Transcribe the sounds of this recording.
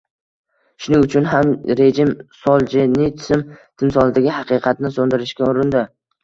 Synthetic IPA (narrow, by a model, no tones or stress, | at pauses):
ʃʊnɪŋʊt͡ʃʰʊnɦamɾe̞d͡ʒɪmsɒlˠd͡ʒɪnɪt̪ʰɪ̥sɪmt̪ʰɪnsɒlˠd̪aɡʲɪɦɑqɨqʰɑt̪nɪsond̪ɪɾɪʃkʲaʊɾɪnd̪ɪ